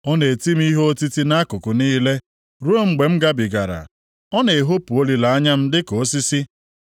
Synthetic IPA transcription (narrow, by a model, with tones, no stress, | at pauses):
ɔ˦ne˨ti˦m̩˦i˦ɦo˦o˦ti˦ti˦na˦kʊ˨kʊ˨niː˦le˦ | ɾu˦o˦ŋ͡m̩˦ɡ͡be˨m̩˦ɡa˦bi˨ɡa̰˨ɾa̰˨ | ɔ˦ne˨e˨ɦo˦pu˨o˦li˨la˨a˦ɲa˦m̩˦dɪ˦ko˨˦si˦si˦